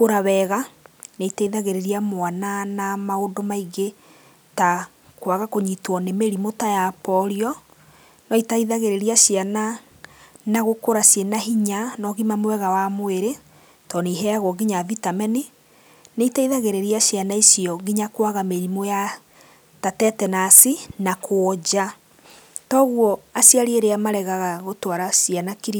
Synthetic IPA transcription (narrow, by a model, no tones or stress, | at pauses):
koɾaβɛɣaneitaiðaɣeɾeɾiamoananamaondomaiɡe | ta | kwaɣakoɲitwɔnemeɾimotajapɔɾiɔ | nɔitaiðaɣeɾeɾiaʃjana | naɣokoɾasjenaɦiɲanɔɣimamwɛɣawamoeɾe | tɔneiɦɛaɣwɔɣiɲavitamɛni | neitaiðaɣeɾeɾiaʃianaisiɔɣiɲakwaɣameɾimoja | tatɛtɛnasinakʰoɔd͡ʑa | tɔɣwɔasiaɾieɾeamaɾɛɣaɣaɣotwaɾasianakiɾi